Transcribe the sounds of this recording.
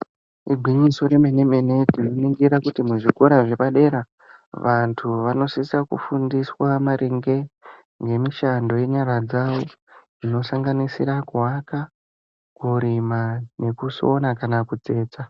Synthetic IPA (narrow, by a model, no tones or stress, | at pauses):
iɡʱwiɲiso̞ɾe̞me̞ne̞mene̞tinoniŋɡiɾakutimuʐiko̞ɾaʐe̞paɗe̞ɾa | ʋantʰuʋano̞sisakṵfundiswamaɾʔeŋɡe̞ | ŋɡe̞miʃando̞je̞ɲaɾad͡zaʋo̞d͡zino̞saŋɡanisḭɾakuwaka | kuɾimane̞kuso̞nakanakut͡se̞ːt͡sa